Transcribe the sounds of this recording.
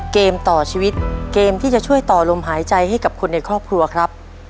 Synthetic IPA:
keː˧mt̪ɔː˨˩t͡ɕʰiː˧wi˦˥t̪̚keː˧mt̪ʰiː˥˩t͡ɕa˨˩t͡ɕʰu˥˩əjt̪ɔː˨˩lo˧mɦaː˩˦jt͡ɕa˧jha˥˩jka˨˩p̚kʰu˧nːa˧jkʰɾɔː˥˩p̚kʰɾu˧ɐkʰɾa˦˥p̚

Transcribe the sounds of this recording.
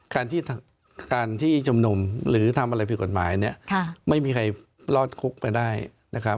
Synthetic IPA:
kaː˧nt̪ʰiː˥˩t̪ʰ | kaː˧nt̪ʰiː˥˩t͡ɕʰu˧mnu˧mɾɯː˩˦t̪ʰa˧mʔa˧ɾa˧pʰi˨˩ko˨˩t̪̚maː˩˦jni˥˩ɐkʰma˥˩jmiː˧kʰa˧j | lɔː˥˩t̪̚kʰu˦˥k̚pa˧jdaː˥˩j | na˦˥kʰɾa˦˥

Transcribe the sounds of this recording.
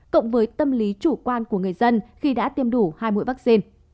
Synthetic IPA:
ko̰˧˨wŋ͡mvəː˨˦jt̪ə˧mli˨˦t͡ɕu˧˩kwaː˧nku˧˩əŋɨ˨˩əjzə˧nxi˧ɗa̰ː˧˥t̪i˧əmɗu˧˩haː˧jmṵ˧˨jva˦˥k̚si˧n

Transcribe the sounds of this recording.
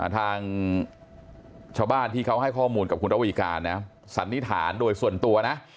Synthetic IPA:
ʔa̰˨˩t̪ʰaː˧ŋ | t͡ɕʰaː˧wbaː˥˩nt̪ʰiː˥˩kʰa˦˥wɦa˥˩jkʰɔː˥˩muː˧nka˨˩p̚ku˧nɾa˦˥wi˧˩kaː˧nːa˦˥ | sa˩˦nːi˦˥t̪ʰaː˩˦ndoː˧jsu˨˩ənt̪u˧ɐna˦˥ʔ

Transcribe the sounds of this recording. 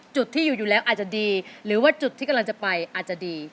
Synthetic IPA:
t͡ɕu˨˩t̪ʰːiː˥˩juː˨˩juː˨˩lɛː˦˥wʔaː˨˩t̪̚t͡ɕa˨˩diː˧ɾɯː˩˦waː˥˩t͡ɕu˨˩t̪ʰːiː˥˩a˧mlŋt͡ɕa˨˩pa˧jʔaː˨˩t̪̚t͡ɕa˨˩diː˧

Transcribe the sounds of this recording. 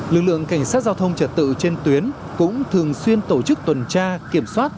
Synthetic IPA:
lɨ˨˩k̚lɨ̰˧˨əŋka˧˩jŋ̟saː˦˥t̚zaː˧wt̪ʰə˧wŋ͡mt͡ɕə˧˩t̚t̪ɨ̰˧˨t͡ɕe˧nt̪wi˨˦ən | kʊ̰˧˥ŋ͡mt̪ʰɨ˨˩əŋswi˧ənt̪o˧˩t͡ɕɨ˦˥k̚t̪wə˨˩nt͡ɕaː˧ki˧˩əmswaː˦˥t̚

